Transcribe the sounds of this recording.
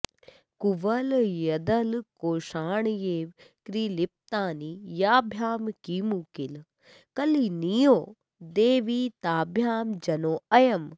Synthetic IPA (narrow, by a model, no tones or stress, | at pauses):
kuʋɐljɐd̪ɐlkoːʃaːɳ̃jeːʋkɾiːlip̚t̪aːnijaːbʱjaːmkiːmukɪl | kɐlinijoː | d̪eːʋiːt̪aːbʱjaːmd͡ʒɐnoːɐjɐm